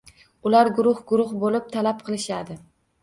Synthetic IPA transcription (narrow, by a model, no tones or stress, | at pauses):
ʊlaɾɡʊɾʊhɡʊɾʊχbolɪp̚t̪ʰalap̚qʰɨlˠɪʃad̪ɪ